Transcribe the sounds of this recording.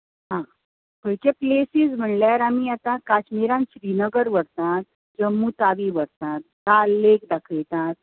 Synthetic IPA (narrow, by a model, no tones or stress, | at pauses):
ɦã | kəɭt͡ɕeplesizm̤əɳljaɾamiat̪ãkat͡ɕmiɾãnɕɾinəɡəɾʋəɾt̪ãt̪̚ | d͡ʑəmːut̪aʋiʋəɾt̪ãt̪̚ːalːekd̪akʰəjt̪ãt̪̚